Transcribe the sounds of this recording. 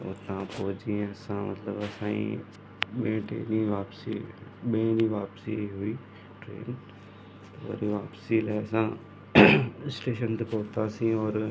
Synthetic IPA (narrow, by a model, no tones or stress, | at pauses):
o̰ːt̪ɐãpɔɦʊd͡ʑiẽɐsãmɐ̰t̪ləbɐsãːḭ̃ | ɓẽʈḛːnĩʋaːpsiɓẽniʋaːpsiɦui | ʈɾḛːn | tt̪ɐʋɐ̰ɾiʋaːpsilaːɪɐsã | ɪsʈeːʃənt̪epɔɦt̪asĩɔːɾ